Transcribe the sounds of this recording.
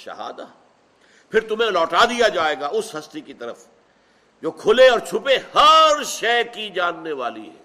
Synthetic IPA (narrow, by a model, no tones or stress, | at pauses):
ʃɐ̰ɦa̰ːd̪aː | pʰɪɾt̪ʊm̤ẽlɔːʈaːd̪ijad͡ʒaːeːɡaʔʊsɦɐst̪ikit̪ɐɾəf | d͡ʒoːkʰʊleɔːɾt͡ʃʰʊpehɐɾʃɛːkid͡ʒaːnːeʋaːlḭɦɛ̰ː